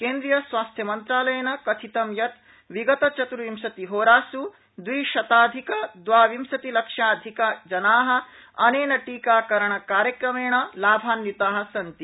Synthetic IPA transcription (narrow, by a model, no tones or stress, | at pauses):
keːnd̪ɾijɐsʋaːst̪ʰjɐmɐnt̪ɾaːlɐjɐnɐkɐt̪ʰit̪ɐmjɐt̪ | ʋiɡɐt̪ɐt͡ʃɐt̪ɾuʋimsɐt̪iɦoːɾaːsu | d̪ʋiːʃɐt̪aːd̪ʱikɐd̪ʋaːʋimsɐt̪ilɐkʂaːd̪ʱikad͡ʒɐnaːɦɐ̆ | ɐneːnɐʈiːkaːkɐɾɐɳɐkaːɾjɐkɾɐmeːɳɐlaːbʱaːnjit̪aːɦɐ̆sɐnt̪i